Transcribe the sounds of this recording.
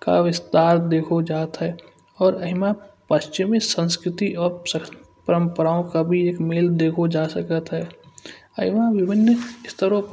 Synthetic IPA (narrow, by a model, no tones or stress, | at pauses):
ka̰ʋɪst̪aːɾd̪eːkʰod͡ʒaːt̪ɦɛː | ɔːɾəɦɪmãpəʃt͡ʃɪmisə̃nskɾɪt̪iʔɔːɾsə | pəɾə̃mpəɾaːõkabʱieːkmeːld̪eːkʰod͡ʒaːsəkət̪ɦɛː | əɦɪmãʋɪbʱɪnːɪst̪ʰəɾõ